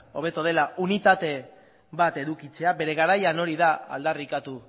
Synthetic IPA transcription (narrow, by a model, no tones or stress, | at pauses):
o̞β̞e̞t̪oð̞e̞laʔunit̪at̪e̞ | βat̪e̞ðukit͡se̞abe̞ɾe̞ɣaɾajano̞ɾiðaa̰ld̪arikat̪u